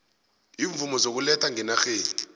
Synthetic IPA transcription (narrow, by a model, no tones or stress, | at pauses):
iːɱvumɔzok̬ulɛtʰaŋɛnaxeːni